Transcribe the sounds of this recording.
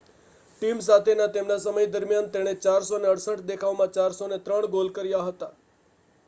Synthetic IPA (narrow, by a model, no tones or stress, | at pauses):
ʈims̬at̪ʰenat̪emnasəməjd̪əɾmjant̪eɽ̃et͡ʃaɾsoneəɽsəʈd̪ekʰaʋmãt͡ʃaɾsonet̪ɾəɳɡolkəɾjaɦət̪a